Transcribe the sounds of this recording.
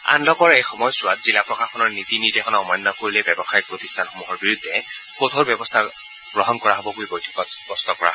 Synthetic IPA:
a̰nlɔkɔɹejxɔmɔjsʊwatzilapɹɔkakʰɔnɔɹnitinitɛxʰɔnaɔmɔjnːɔkoɹilɛbɛbɔxajik̚pɹoti̥stʰanxomuɦɔɹbiɹudʱːɛkot̪ʰoɹbɛbɔstʰa | ɡ̥ɹɔɦɔnkɔɹaɦɔbɔɡuibojtʰi̥kɔtspɔstɔkɔɹa̰ɦɔɔ

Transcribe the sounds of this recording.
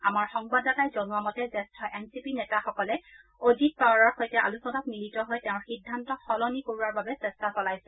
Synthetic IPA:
amaɹxɔŋbadatajzonuamɔtɛzɛstʰɔʔɛnsipinɛtaxɔkɔlɛ | odit̚pawɹaɹxojtɛʔa̰lusɔnak̚militɔɦojtɛʊ̃ɹxidʱːantɔxɔlɔnikoɹuaɹbabɛsɛstasɔlajsɛ̥

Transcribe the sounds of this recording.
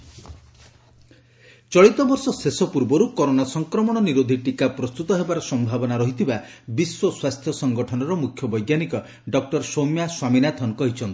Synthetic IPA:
t͡ʃɔɭit̪ɔbɔɾsɔsesɔpuɾbɔɾukɔɾonasɔŋkɾɔmɔɽ̃ɔniɾod̪ʱiʈikapɾɔst̪ut̪ɔɦebaɾɔsɔmbʱabɔnaɾɔɦit̪ʰibabiswɔswast̪ʰjɔsɔŋɡɔʈʰɔnɔɾɔmukʰjɔbɔjɡjanikɔ | ɖɔk̚ʈɔɾsomjaswaminat̪ʰɔnkɔɦit͡ʃʰɔnt̪i̥

